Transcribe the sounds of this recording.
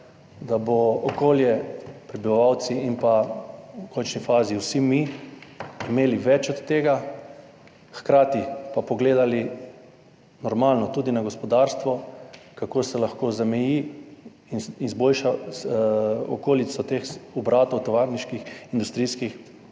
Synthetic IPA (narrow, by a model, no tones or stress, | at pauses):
d̪abɔɔkoːljɛpɾɛbiʋaʋawt̪siinpaukɔnt͡ʃnifaːziwsimi | imeːliʋɛt͡ʃɔt̪t̪ːeːɡa | xkɾaːt̪ipapɔɡleːd̪ali | nɔɾmalnɔt̪uːd̪inaɡospɔd̪aɾst̪ʋɔkakosɛlaxkoːzamɛji | ininzboːlʃa | ɔ̰koːlit̪sɔt̪exɔbɾaːt̪ɔwt̪ɔʋaɾniʃkixind̪ust̪ɾiskix